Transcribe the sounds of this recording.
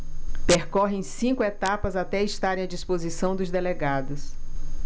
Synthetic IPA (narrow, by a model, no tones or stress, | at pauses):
peɾkɔɦẽj̃sĩkʊet̪apɐzat̪ɛiʃt̪aɾẽj̃ɐd͡ʒispozisɐ̃w̃d̪ʊzd̪eleɡad̪ʊs